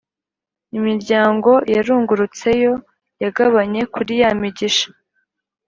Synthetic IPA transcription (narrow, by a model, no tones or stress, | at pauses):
imiɾɟaːŋɡo̞jaɾuːŋɡuɾut͡se̞jo̞ | jaɡaβaɲe̞kuɾijamiɟiʃḁ